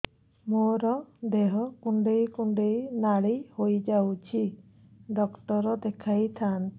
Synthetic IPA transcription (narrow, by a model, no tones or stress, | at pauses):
moɾɔd̪eɦɔkuɳɖejkuɳɖejnaɽihojd͡ʒawt͡ʃʰi | ɖɔkʈɔɾɔd̪ɛkʰajt̪ʰan